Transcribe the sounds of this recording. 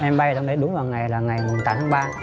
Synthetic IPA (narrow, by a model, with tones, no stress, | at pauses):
ʔɛ˧mɓa˧jt͡ɕŋ͡mɗe˧˨˦jɗʊ˨˦ŋ͡mvaː˨˩wŋa˨˩jlaː˨˩ŋa˨˩jmʊ˨˩t̪aː˧˦t̪ʰaː˨˦ɓaː˧